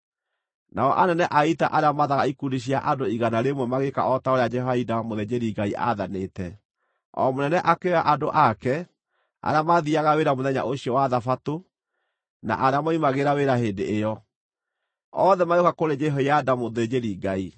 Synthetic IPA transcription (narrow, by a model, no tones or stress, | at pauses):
naɔʔanɛnɛʔaita̰ʔaɾeamaðaɣaikudiɕ̬iaʔadoiɣanaɾemwɛmaɣeka̰ʔɔtaoɾead͡ʒɛɦɔaidamoðed͡ʑeɾiɡaiʔa̰ðanetɛ | ɔ̰monɛnɛʔakeaʔadoʔakɛ | a̰ɾeamaðiaɣaweɾamoðɛɲa̰ʔoɕiɔwaðafato | na̰ʔaɾeamoimaɣeɾaweɾaɦendḛejɔ | ɔðɛmajokakoɾed͡ʒɛɦɔjadamoðed͡ʑeɾiɡai